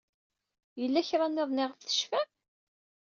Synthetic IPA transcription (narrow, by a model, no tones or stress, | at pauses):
jəlːæçɾˤɑneðˤnɪʁəfθə̥ʃfæ